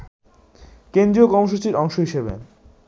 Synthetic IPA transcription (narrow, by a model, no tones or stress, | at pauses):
kend̪ɾiokɔɾmoʃut͡ɕiɾɔŋʃoɦiʃebḛ